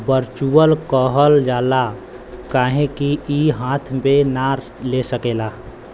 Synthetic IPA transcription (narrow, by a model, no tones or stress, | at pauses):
bəɾt͡ʃuəlkɔːɦəld͡ʒaːla | kaːɦẽkiiɦãːt̪ʰmenaɾ | lesəkeːlaː